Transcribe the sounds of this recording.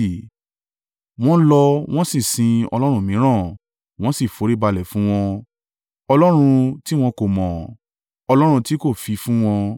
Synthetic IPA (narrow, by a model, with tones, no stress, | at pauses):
w̃ɔ̃˦lɔ˧w̃ɔ̃˦si˦˨sĩ˧ɔ̰˧lɔ˦ɾ̃ũ˧˦mĩ˨˦ɾ̃ã˦˨ | w̃ɔ̃˦si˦˨fo˨˦ɾi˦ba˧lɛ˨fũ˨˦w̃ɔ̃˧ | ɔ˧lɔ˦ɾ̃ũ˧ti˦w̃ɔ̃˧ko˨mɔ̃˨ | ɔ˧lɔ˦ɾ̃ũ˧ti˦ko˦˨fi˨˧fũ˦w̃ɔ̃˧